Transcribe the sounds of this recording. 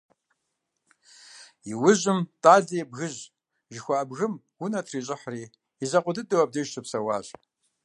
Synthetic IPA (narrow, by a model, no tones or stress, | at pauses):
jiwʊʑɪmtʼaːzijɛbɣɨʑ | ʒɪxʷaːbɣɨm | wʊnɐtʰriːɕ̬ʼɪħriː | izɐqʷʊdɨdɨwɐb̚dɐʒɕʰɨpsɐwa̰ːɕʼ